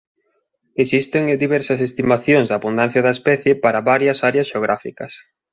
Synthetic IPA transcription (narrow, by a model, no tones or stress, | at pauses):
esist̪eŋd̪iβɛɾsɐsest̪imaθjoŋzðaːβund̪an̟θjɐðɐespɛθjepaɾɐβaɾjɐsaɾeɐsʃeoɣɾʔa̰fikɐs